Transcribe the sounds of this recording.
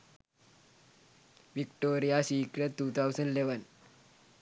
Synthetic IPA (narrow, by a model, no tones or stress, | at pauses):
ʋikʈoɾijasiːkɾeʈːuːt̪ʰawsəɳɖleʋən